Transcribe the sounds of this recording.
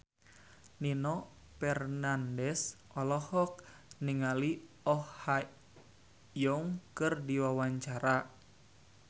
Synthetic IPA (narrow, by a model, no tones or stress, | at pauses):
ninɔ | pɛrnandɛsʔɔlɔhɔk̚ | niŋali | ɔhha | jɔŋkɨrdiwawaɲt͡ʃaɾa